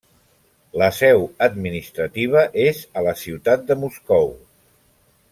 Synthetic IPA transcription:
ləsɛwəd̪minist̪ɾət̪iβ̞əʔezələsiwt̪at̪̚d̪əmuskɔw

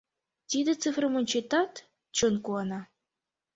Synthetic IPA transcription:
t̪ʲid̪ɘ̆t͡sɨfrɤmunʲt͡ɕet̪ɑt̪ | t͡ɕɤnkuɑnɑ

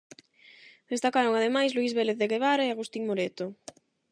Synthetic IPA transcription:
d̪̥est̪akaɾoŋaðemajsluizβeleθðeɣeβaɾaeaɣust̪iŋmoɾet̪o

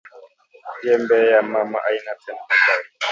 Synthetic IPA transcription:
jɛmbɛjamama̰ʔajinatɛnaabai

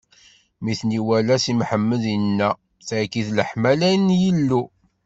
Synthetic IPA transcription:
miθniwælæsimħəmːəðənːæ | θʕkːiθləħmælæjnjəlːu

